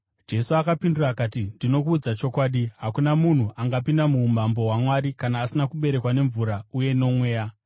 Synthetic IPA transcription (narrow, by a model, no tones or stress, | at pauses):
d͡ʒe̞suakapindurakaːtindino̞kuːd͡zat͡ʃo̞kwaːɗiɦakunamun̤uʔaŋɡapindamumambo̞ɦwamwaɾikanaːsinakuɓe̞ɾe̞kwane̞ɱvuɾauje̞no̞mwe̞ːja